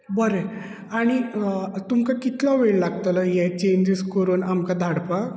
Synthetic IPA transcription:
bəɾe | aɽ̃it̪umkakit̪laʋeɭlaɡ̚t̪ələjɛt͡ɕeɲd͡ʑəskəɾuːnamkad̪ʱaɽpa

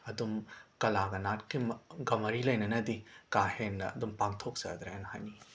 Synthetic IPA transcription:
ɐdumkɐlaɡɐnatkimɡɐmɐɾilɐjnɐnɐdikahenːɐ̰ɐdumpaŋtʰok̚sɐ̰d̪ɾaenha̰jni

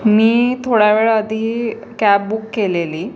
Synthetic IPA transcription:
miːt̪ʰoɽaʋeɭəd̪ʱiː | kap̚bukːeleliː

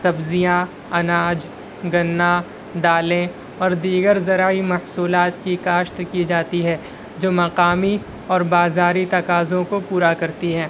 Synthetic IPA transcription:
sɐbzijã | ɐnaːd͡ʒ | ɡɐnːa | d̪aːlẽ | ɔːɾd̪iːɡəɾzɐɾaːimɐhsuːlaːt̪kikaːʃt̪kid͡ʒaːt̪iɦɛː | d͡ʒoːmɐqaːmi | ɔːɾbaːzaːɾit̪ɐkaːzõkopuːɾakɐɾt̪iɦɛː

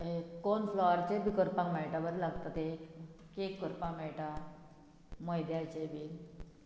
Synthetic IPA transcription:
ekonflɔaɾt͡ɕebikəɾpãkmɛʈabəɾlaɡt̪at̪e | kekːəɾpãmɛʈa | məjd̪jat͡ɕebi

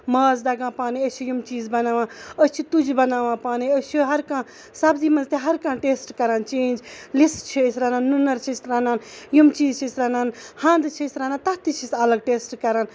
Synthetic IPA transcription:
maːzd̪ɐɡãːpaːniət͡ʃʰijumt͡ʃiːzbɐnaːʋãːət͡ʃʰit̪ud͡ʒbɐnaːʋãːpaːniət͡ʃʰiɦɐɾkãː | sɐbzimɐnzt̪eɦɐɾkãːʈeːsʈkɐɾaːnt͡ʃẽːnd͡ʒlist͡ʃʰisʲɾanaːnːunɐɾt͡ʃʰisɾanaːnjumt͡ʃiːzt͡ʃʰisɾaːnaːnhãːnd̪t͡ʃʰisʲɾanãːt̪ɐt̪it͡ʃʰisɐlɐɡ̚ʈeːsʈkɐɾaːn

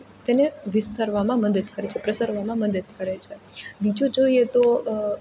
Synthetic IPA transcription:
t̪eneʋɪst̪aɾʋamãməd̪əd̪kəɾet͡ʃʰepɾəsəɾʋamãməd̪əd̪kəɾet͡ʃʰebid͡ʒod͡ʒoiet̪o

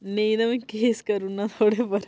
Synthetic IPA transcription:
nejnɐmikeːskɐɾunːat̪ʰoːɽepɐɾ

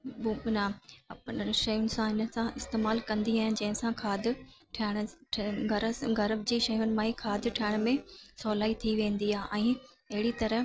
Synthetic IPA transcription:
buːbnaɐpnʃɐjʊnɪ̆sãɪnə̆sãʔɪst̪eːmaːlkɐ̃nd̪iaːɦɪ̃nɪ̆d͡ʑɐ̃ɦɪ̃sãkʰaːd̪ɪʈʰɐɪɽ̃ʈʰɡɐɾəɡɐɾəbd͡ʑiːʃɐjʊnɪ̆mãːikʰaːd̪ɪʈʰɐːɪɽ̃mẽsɔːlaːit̪ʰiʋẽːn̆d̪iaːɦʔɛ̃ː | ɐɦɪɽit̪ɐɾəɦ

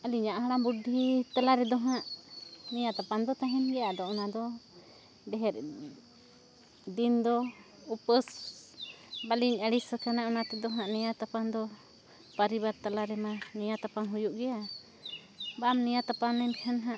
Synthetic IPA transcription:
aliɲãʔɦaɽambudʱit̪alaɾɛd̪ɔɦãʔnɛjat̪apand̪ɔt̪aɦɛnɡɛjad̪ɔʔɔnad̪ɔ | ɖɛɦɛɾ | d̪ind̪ɔ | upəs | baliɲəɽisəkanaɔnat̪ɛd̪ɔɦãʔnɛjat̪apand̪ɔ | pəɾibaɾt̪alaɾɛmanɛjat̪apaŋɦujuʔɡɛja | bamnɛjat̪apanːɛmkʰanɦãʔ

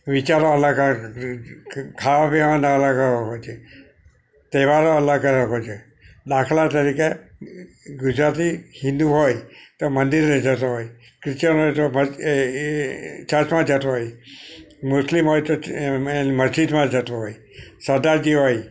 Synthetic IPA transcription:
ʋit͡ʃaɾoəlaɡa | kʰaʋapeʋanaələɡəɦojt͡ʃʰe | t̪eʋaɾoəlaɡəɾəɦot͡ʃʰe | ɗ̪akʰlat̪əɾike | ɡʊd͡ʒɾat̪ihɪ̃nd̪uɦojt̪omənd̪iɾned͡ʒət̪oɦoj | kɾɪt͡ʃəɾɦojt̪omə | t͡ʃət͡ʃmãd͡ʒət̪oɦoj | mʊslimɦojt̪oenməzd͡ʒid̪mãd͡ʒət̪oɦoj | səɾd̪aɾd͡ʒiɦoj

